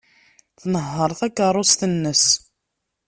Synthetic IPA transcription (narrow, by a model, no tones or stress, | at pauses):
θnəɦːəɾˤθækːərˤːʊst̪ənːəs